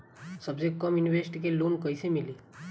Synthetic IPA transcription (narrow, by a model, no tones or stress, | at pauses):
səbd͡ʑekːəmjuniʋesʈikelonkəjsemili